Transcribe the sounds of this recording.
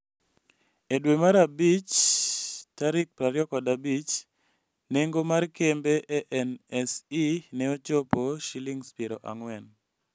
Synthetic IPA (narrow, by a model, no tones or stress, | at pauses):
edwemaɾabit͡ʃ | taɾɪk̚pɾaɾjɔkɔdabit͡ʃ | neŋɡomarkembeʔeʔɛnɛsinɛot͡ʃopoʃiliŋspiɾoʔa̰ŋwɛn